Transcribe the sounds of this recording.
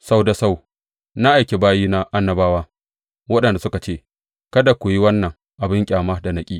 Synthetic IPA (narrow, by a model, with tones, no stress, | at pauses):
sa˦wda˨sa˦˨w | na˦ʔa˨jkʲe˨baː˦jiː˦na˦ʔa˦nːɐ˦baː˦waː˦ | wɐ˦ɗɐ˨nda˨sʊ˦ka˨t͡ʃeː˦˨ | kɐ˦da˨kʷʊ˨ji˦wɐ˦nːɐ˨ŋ | ʔa˨bɪ˦ŋkʲʼaː˨ma˦da˨nɐ˨kʲʼiː˦